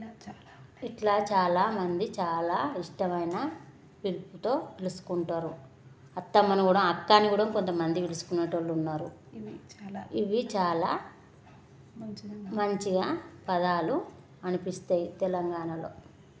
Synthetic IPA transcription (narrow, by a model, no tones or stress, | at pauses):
iʈlaːt͡ʃaːlaːmɐnd̪it͡ʃaːlaːiʂʈɐmɐjna | pilput̪o̞ːʋilusu̥kuɳʈaːɾu | ɐt̪ːɐmɐnɐɡuːɽɐmɐkːaːnikuːɽɐmko̞nt̪ɐmɐnd̪iʋilusu̥kunːɐʈɐlunːaːɾu | iʋit͡ʃaːlaː | mɐɲt͡ʃiɡaːpɐd̪aːlu | ɐnupist̪aːjit̪ɛlɐŋɡaːnɐlo̞ː